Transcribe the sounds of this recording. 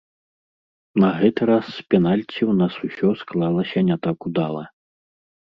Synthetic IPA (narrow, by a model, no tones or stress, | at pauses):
nɐɣɛt̪ɨɾasːpʲɛnalʲt͡sʲiwnasusʲɔsklˠalˠɐsʲɐnʲat̪akud̪alˠɐ̰